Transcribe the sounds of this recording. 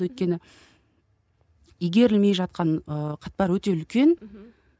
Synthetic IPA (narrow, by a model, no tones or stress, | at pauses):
wɵjt̪̚kʲe̞nɪ | ijɡʲe̞ɾɪlme̞jʒɑt̪̚qɑɴəqʰɑt̪̚pɑɾwɵt̪e̞ʏlkʲe̞n